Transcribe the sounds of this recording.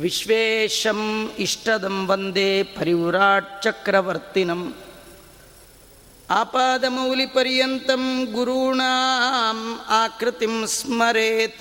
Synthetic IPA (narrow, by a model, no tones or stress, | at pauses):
ʋiʃʋeːʃɐmiʂʈɐd̪ɐmʋɐnd̪eːpɐɾiwɾaːt͡ʃɐkɾɐʋɐɾt̪inɐm | aːpaːd̪ɐmɐːlipɐɾjɐnt̪ɐmɡuɾuːɳaːmaːkɾɪt̪imsmɐɾeːt̪